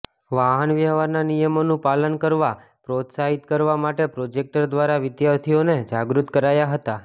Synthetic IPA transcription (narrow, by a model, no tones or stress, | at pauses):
ʋaɦənʋjəʋaɾnanijəmonũpalənkəɾʋa | pɾot̪saɦit̪kəɾʋamaʈepɾod͡ʒek̚ʈəɾd̪ʋaɾaʋɪd̪jaɾt̪ʰijoned͡ʒaɡɾut̪kəɾajaɦət̪a